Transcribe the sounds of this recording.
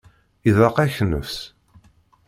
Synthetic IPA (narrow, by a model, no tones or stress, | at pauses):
iðɑqæçnə̰fs